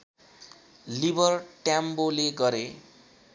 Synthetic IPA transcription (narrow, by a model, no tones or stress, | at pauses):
libʌrʈjamboleɡʌɾe